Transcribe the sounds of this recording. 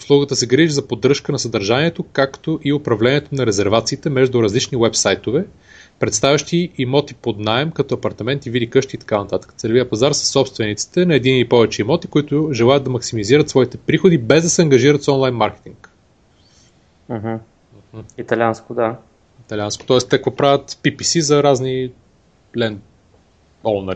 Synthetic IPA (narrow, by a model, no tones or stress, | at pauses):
ʊslˠuɡət̪əsɛɡɾiʒizɐpod̪ɾɤʃkənɐsɐd̪ɐɾʒanʲiɛt̪okakt̪oʔiopɾɐvlɛniɛt̪onɐɾɛzɛɾvat̪siːt̪ɛmɛʒd̪ʊɾɐzlit͡ʃniwɛpsajt̪ovɛ | pɾɛt̪st̪avʲɐʃt̪iːmɔt̪ipod̪naɛmkɐt̪ɔɐpɐɾt̪ɐmɛnt̪ivid̪ikɤʃt̪iːt̪ɐ̥kanɐt̪at̪ə̥kə̥sɛlʲviəpɐzaɾsə̥sːɔpst̪vɛnit̪si̥t̪ɛnɐɛd̪iniipɔvɛt͡ʃɛimɔt̪i̥koit̪ʊʒɛlˠajət̪d̪ɐmɐksimiziɾət̪svɔit̪ɛpɾixʊd̪ibɛzd̪ɐsɛɐŋɡɐʒiɾət̪sɔnlˠajnmaɾkɛ̥t̪iŋk | m̩ɦm̩ | m̩h̩it̪ɐlʲanskʊd̪a | it̪ɐlʲanskʊ̥t̪ɔɛst̪ɛkəkvɔpɾavʲət̪pipisizɐɾazni | lɛn | ɔlˠnɐ